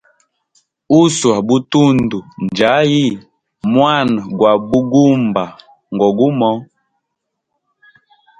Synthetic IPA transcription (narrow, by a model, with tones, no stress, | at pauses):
u˦swa˨bu˦tu˦ndu˨n˨d͡ʒa˨˦ji˦˨ | mwa˦˨n˨ɡwa˨bu˦ɡu˦mba˨ | ŋ˨ɡɔ˨ɡu˦mɔ˨˦